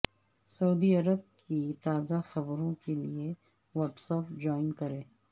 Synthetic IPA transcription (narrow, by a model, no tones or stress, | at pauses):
sɐuːd̪iɐɾəb̚kʰit̪aːzaxɐbɾõkelie | ʋɐːʈsɐp̚d͡ʒaːɪnkɐɾẽː